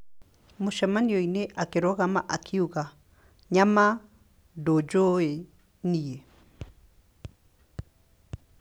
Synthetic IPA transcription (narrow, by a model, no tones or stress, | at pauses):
moʃamaniɔineʔakeɾɔɣama̰ʔakʰiuɣa | ɲama | dod͡ʒoe | nie